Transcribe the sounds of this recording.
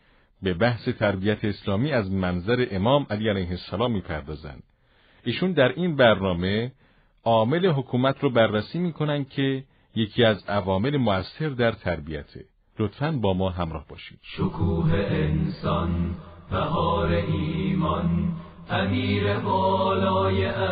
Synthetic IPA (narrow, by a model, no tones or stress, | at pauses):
be̞bæhse̞t̪ʰæɾbijæt̪ʰe̞ːslɒːmiːæzmænzæɾe̞ʔemɒːmʔæliːælæjɦesːælɒːmːiːpʰæɾd̪ɒːzæ̰nd̪̥ | iːʃund̪æɾʔiːnbæɾnɒːme̞ | ʔɒːme̞le̞ɦo̞kʰuːmæt̪ʰɾɔːbærːæsiːmiːkʰonænd̪̥̚cʰe̞ | je̞cʰiːæzævɒːme̞lemoæsːe̞ɾd̪æɾt̪ʰæɾbijæt̪ʰe̞̰ | lo̞t̪fænbɒːmɒːɦæmɾɒːhbɒːʃiːd̪̥ʃokʰuːɦeʔensɒnbæhɒːɾeʔiːmɒn | ʔæmiːɾebɒːlɒːjeʔ